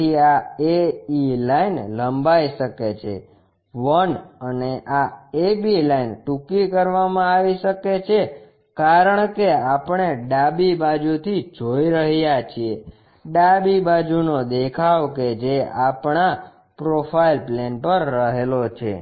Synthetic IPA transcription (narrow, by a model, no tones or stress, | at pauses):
iaeilainləmbaiʃəket͡ʃʰḛ | ʋənəneʔaebilainʈukikəɾʋamãaʋiʃəket͡ʃʰe | kaɾəɳkeapɳeɖabibad͡ʒut̪ʰid͡ʒoiɾəɦjat͡ʃʰie | ɖabibad͡ʒunod̪ekʰaʋked͡ʒeapɳa | pɾopʰailplenpəɾːəɦelot͡ʃʰḛ